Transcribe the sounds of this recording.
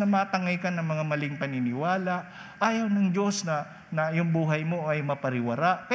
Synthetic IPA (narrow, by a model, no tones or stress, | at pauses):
nɐmaːt̪ɐŋajkanɐŋmɐŋamɐlɪŋpɐnɪnɪwaːlaʔ | ʔaːjɐwnɐŋd͡ʒo̞snɐ | nɐjʊŋbuːɦɐjmo̞ʔɐjmɐpɐɾɪwɐɾaʔk